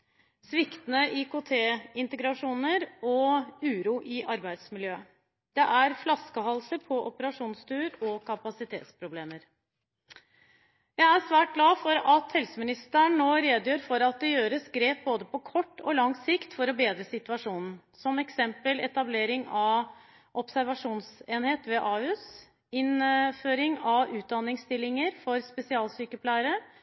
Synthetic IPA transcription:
sʋɪkt̪ənəʔɪkʊːt̪ʰeːɪnt̪əɡɾɑʂuːnəɾɔʉːɾuːʔɪʔɑɾbæɪd̪smɪljøː | d̪̥ɛʔæɾflɑskəɦɑlsəpʰɔʔɔpəɾɑʂuːnst̪yːɾɔkʰɑpɑsɪt̪ʰḛːt̪spʰɾʊbleːməɾ | jæɪæɾsʋæːʈ̚ɡlɑːfɔɾɑt̪hɛlsəmɪnɪst̪əɳnoːɾeːd̪jøːɾfɔɾɑt̪̚d̪ɛjøːɾəsɡɾeːp̚boːd̪əpʰɔkʰɔʈːɔlɑŋsɪkt̪fɔɾɔbeːd̪ɾəsɪt̪ʉɑʂuːnn̩ | sɔmɛksɛmpəlɛt̪ɑbleːɾɪŋɑʋ | ʔɔpsæɾʋɑʂuːnseːnheːt̪ʋɛʔɑːʉːs | ɪnføːɾɪŋɑʋʉːt̪̚d̪ɑnːɪŋst̪ɪlːɪŋəɾfɔɾspɛsɪɑːlsyːkəpʰlæɪɾə

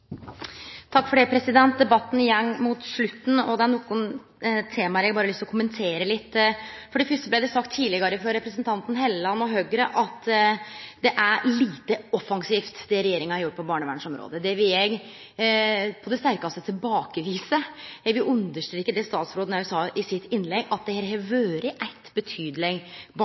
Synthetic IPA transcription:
t̪ʰɑkːfɔɖɛpʰɾɛsɪd̪ɛnt̪̚d̪ɛbɑt̪ːn̩ɪjɛnːmut̪ʂɭʉt̪ːn̩ɔd̪ɛæɳɔkːʊn | t̪ʰːeːmɑhæɾjɛɡbɑːɾəlʏst̪ɔkʰʊmənt̪ʰeːɾəlɪt̪ːfɔɖɛfʏsʈəblæɪd̪ɛsɑkt̪ʰːiːlɪɡɑɾəfɾɑɾɛpɾɛsnt̪ʰɑnt̪n̩ɦɛlɑnːɔɦøːɡɾəʔɑt̪ | d̪ɛʔæɾliːt̪əɔfːɑŋsiːft̪d̪ɛɾɛjeːɾɪŋɑhɑɾjʊʈ̚ːpʰɔbɑːɳəʋæ̰ːɳʂɔmɾo̰ːd̪əd̪ɛʋɪljɛɡ | pʰɔd̪ɛst̪æɾkɑst̪ət̪ʰɪlbɑːkəʋiːsəjæɡʋɪlʉnd̪əʂʈ̪ɾiːkːəd̪ɛst̪ɑːt̪sɾoːd̪n̩ɛʉsɑːʔɪsɪt̪ʰːɪnːlɛɡɑt̪̚d̪ɛhɛːɾɦɛʋøːɾəʔæɪt̪bət̪ʰyːd̪lɪɡb

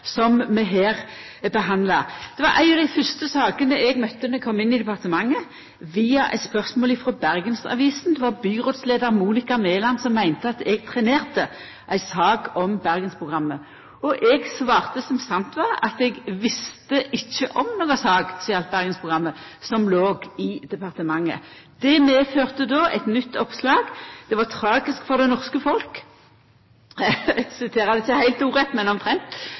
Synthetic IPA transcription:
sɔmmɛɦeːʁ | bəɦɑnd̪lɑd̪̥ɛʋɑɾʔæ̰ɪɑd̪æɪfœst̪əsɑːɡənəɛɡmœt̪ːənɛkʰɔmːɪnːɪd̪ɛpɑʁt̪əmɑŋːə | ʋiːɑʔæ̰ɪspœʁsmoːlɪfʁɔbæʁɡənsɑ̰ʋiːsn̩d̪ɛʋɑʁbyːʁoːt̪sleːd̪əʁmuːnɪkɑmeːlɑnsɔmːæɪnt̪əɑt̪ɛɡ̚t̪ʰʁɛneːʁt̪ə | ʔæɪsɑːɡɔmbæʁɡənspʰʁʊɡʁɑmːə | ɔʔɛɡsʋɑːʁt̪əsɔmsɑnt̪ʋɑʁɑt̪ɛɡʋɪst̪əʔɪçːəʔɔmnoːɡɑsɑːɡsiɑlt̪̚bæʁɡənspʰʁʊɡʁɑmːə | sɔmloːɡɪd̪ɛpɑʁt̪əmɑŋːə̰ | d̪̥ɛmeːføːʁt̪əd̪oːɛt̪nʏt̪ːɔpslɑːɡd̪̥ɛʋɑʁt̪ʰʁɑːɡɪskfɔʁd̪ɛnɔʁskəfɔlk | sɪt̪ʰeːʁɑd̪ɪçəhæɪlt̪uːʁɛt̪ːmɛnɔmt̪ʰʁɛnt̪

